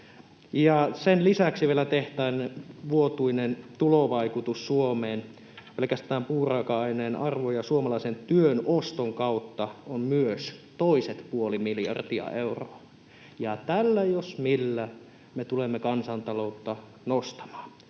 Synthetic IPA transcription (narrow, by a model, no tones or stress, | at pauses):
jɑsenlisæksiʋielæt̪eht̪æːnʋuot̪uinent̪uloʋɑikut̪usːuomeːn | pelekæst̪æːmpuːrɑkɑɑineːnʔɑrʋojɑsuomɑlɑisent̪yønost̪oŋkɑut̪ːɑommyøst̪oiset̪puolimiljɑ̰rt̪iɑ̰euro̰ɑ | jɑt̪ælːæjosmilːæ | met̪ulemːekɑnsɑnt̪ɑlout̪ːɑ | nost̪ɑ̥mɑ̥ː